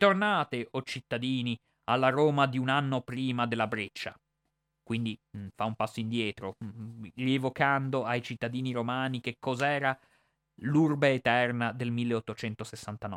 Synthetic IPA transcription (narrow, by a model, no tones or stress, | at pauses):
t̪ornaːt̪eʔot͡ʃit̪ːad̪iːni | alːaɾoːmad̪iunanːopɾiːmad̪elːabɾet͡ʃːa | kwind̪ifaumpasːoind̪jɛːt̪ɾoʎievokand̪oajt͡ʃit̪ːad̪iːniɾomaːnik̟ekʰːɔzaɛːɾa | lurbeːt̪ɛrnad̪elmilːeot̪ːot͡ʃɛnt̪osesːant̪anɔ̰